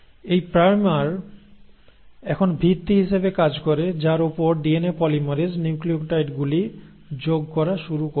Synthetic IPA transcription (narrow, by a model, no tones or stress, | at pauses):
ejpɾajmaɾ | ɛkʰonbʱit̪ːiɦiʃebekad͡ʑkoɾed͡ʑaɾupoɾɖienepɔlimoɾed͡ʑniukliokʈajʈɡuli | d͡ʑoɡkɔɾaʃuɾuko